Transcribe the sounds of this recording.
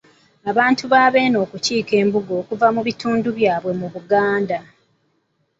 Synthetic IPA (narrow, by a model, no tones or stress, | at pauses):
aβaːntuβaːβe̞ːno̞ːkuciːke̞ːmbuɡo̞ːkuvamuβituːnduβjaːβwe̞muβuɡaːnda